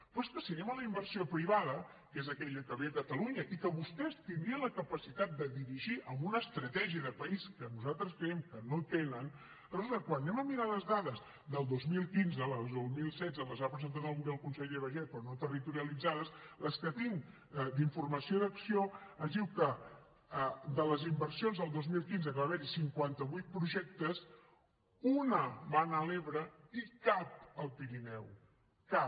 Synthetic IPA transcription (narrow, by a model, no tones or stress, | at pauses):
pweskəsiənɛmələimbərsiopɾiβaðə | kezəkɛʎəkəβeəkət̪əluɲəʔikəβust̪ɛst̪ind̪ɾiələkəpəsit̪at̪̚d̪əðiɾiʒiʔəmbunəːst̪ɾət̪ɛʒiəðəpəiskənuzalˠt̪ɾəskɾjɛmkənot̪enən | rzonəkwanːɛməmiɾaləzðaðəz | ðəlˠd̪ozmilˠkinzələzozmilˠsɛdd͡zələzapɾəzənt̪at̪əlˠmuəlˠkunsəʎeβəʒɛpɾɔnot̪ərit̪uɾiəlid͡zaðəsləskət̪iŋ | d̪iɱfurməsioðəksioəzðiwkə | əd̪ələzimbərsionzðəlˠd̪ozmilˠkinzəkəβaβɛɾisiŋkwant̪əβujt̪̚pɾuʒɛk̚t̪əs | unəβanəleβɾəikap̚əlˠpiɾinɛw | ka